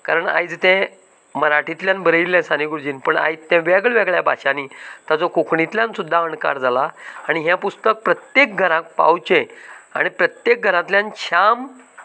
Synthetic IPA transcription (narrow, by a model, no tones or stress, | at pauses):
kaɾəɳa̰jd͡zt̪ɛ̃ | məɾaʈʰit̪ljãnbəɾəilːɛ̃saniɡuɾd͡ʑiːnpəɳa̰it͡st̪ːɛ̃ʋɛɡɭʋɛɡɭjabʱa̰ɕanit̪jat͡sɔkukɳit̪ljãnsud̪ʱːaəɳka̰ɾd͡zʱalaːɽ̃iɦjãpust̪ək̚pɾət̪jek̚ɡʱəɾãk̚pa̰wt͡ɕẽa̰ɽ̃ipɾət̪jek̚ɡʱəɾãt̪ljãnɕam